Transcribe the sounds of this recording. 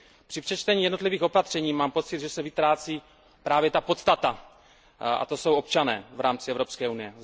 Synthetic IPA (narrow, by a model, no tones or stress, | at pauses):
pr̥ɪpr̥ɛt͡ʃt̪ɛɲiːjɛdno̞t̪liviːxo̞pat̪r̝̥ɛɲiːmaːmpo̞t̪t͡sɪd̪ʒɛsɛvɪt̪ɾaːt͡siː | pɾaːvjɛt̪apo̞t̪st̪at̪a | ʔa̰t̪o̞so̞wo̞pt͡ʃanɛ̰ːvɾaːmt͡sɪɛvɾo̞pskɛːunɪjɛ